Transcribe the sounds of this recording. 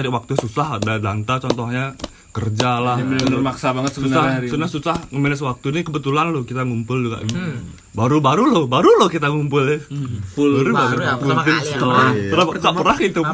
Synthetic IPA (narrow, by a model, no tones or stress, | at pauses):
adiwak̚t̪ususahdadant̪at͡ʃɔnt̪ɔhɲa | kərd͡ʒalahmənəmaksabaŋət̪ssunsasunasusahŋəmənɛsəwak̚t̪unikəbət̪ulanlohkit̪aŋumpʊld͡ʒuɡa̰ʔ | baɾubaɾulobaɾulohkit̪aŋumpʊlɛulɾbaupunt̪ɪaəɾakaʔpəɾahɡit̪u